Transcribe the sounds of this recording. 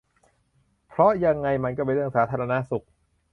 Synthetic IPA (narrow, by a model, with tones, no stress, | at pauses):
pʰɾɔ˦˥ja˧ŋːa˧jma˧nkɔː˥˩pe˧nɾɯ˥˩əŋsaː˩˦t̪ʰaː˧ɾa˧na˦˥su˨˩k̚